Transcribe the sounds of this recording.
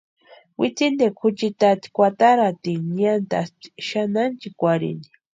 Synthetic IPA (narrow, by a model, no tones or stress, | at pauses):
wit͡sind̪ekʰʊt͡ʃit̪at̪i̥kʷat̪aɾat̪iɲant̪a̰sti̥ʃanant͡ʃikʷaɾḭnd̪i̥